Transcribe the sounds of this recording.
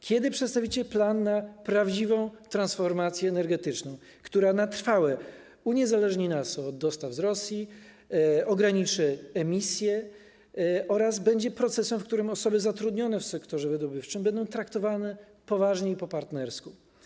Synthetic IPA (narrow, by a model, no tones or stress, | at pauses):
kʲjɛd̪ɘpʂɛt̪st̪avʲit͡ɕɛplanːapɾavd͡ʑivɔ̃w̃t̪ɾãnsfɔɾmat̪sʲjɛːnɛɾɡɛt̪ɘt͡ʂnɔ̃w̃ | kt̪uɾanat̪ɾfawɛ | uɲɛzalɛʐɲinasɔd̪ːɔst̪avzɾɔsʲji | ɔɡɾaɲit͡ʂɘɛmʲisʲjɛ | ʔɔɾazbɛɲd͡ʑɛpɾɔt̪sɛsɛmfkt̪uɾɘmɔsɔbɘzat̪ɾud̪ɲɔnɛfsɛkt̪ɔʐɛvɘd̪ɔbɘft͡ʂɘmbɛnd̪ɔ̃w̃t̪ɾakt̪ɔvanɛ | pɔvaʐɲeipɔpaɾt̪nɛɾsku